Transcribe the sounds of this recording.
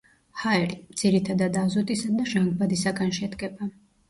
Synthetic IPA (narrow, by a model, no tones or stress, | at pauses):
haɛlimd̪z̥iɾit̪ʰad̪ad̪azɔt̪ʼisad̪aʒaŋɡbad̪isaɡanʃɛd̪ɡɛba